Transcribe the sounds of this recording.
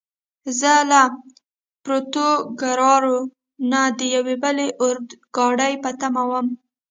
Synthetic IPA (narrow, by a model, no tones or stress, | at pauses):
zəla | pɾot̪oɡaɾɑɾo | nad̪əjawebəleʔʊɾd̪ɡ̥ɑɽəjpət̪amawəm